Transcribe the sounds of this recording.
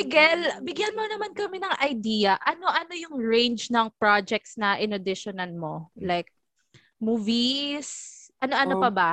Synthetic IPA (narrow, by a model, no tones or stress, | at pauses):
bɪɡɛlbɪɡjanmonɐmankɐmɛnɐŋʔɐjd̪iːjɐʔɐno̞ʔɐno̞jʊŋɹẽnd͡ʒnɐŋpɹad͡ʒɛk̚t̪snɐʔɪnɐd̪ɪʃonɐlmo̞lajk̚ | muːvisʔɐnoʔɐnopɐba